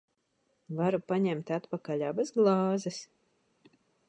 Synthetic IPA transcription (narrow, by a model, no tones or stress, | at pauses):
vaɾupaɲɛmt̪ʲat̪pakaʎʲaːbazɡlˠɑːzɛs